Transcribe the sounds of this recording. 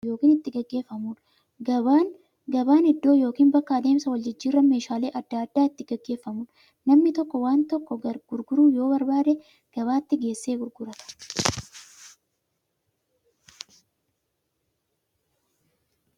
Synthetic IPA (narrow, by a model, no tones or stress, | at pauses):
jo̞ːkiːnɪt̪ːɪɡɐɡːe̞ːfːɐmuːn | ɐan | ɡɐbaːnɪd̪ːo̞ːjo̞ːkiːnbɐkːaːd̪e̞ːmsɐwɐld͡ʒɪd͡ʒːiːrːɐme̞ːʃaːle̞ːʔɐd̪ːaːɐd̪ːaːɪt̪ːɪɡɛɡːe̞ːfːɐmuːn | nːɐmnɪt̪ɔkːɔwaːnt̪ɔkːɔɐɡ̥ʊɾɡʊɾuːjo̞ːbɐɾbaːd̪e | ɡ̥ɐβaːt̪ːɪɡe̞ːsːe̞ːɡʊɾɡʊɾɐt̪ɐ̥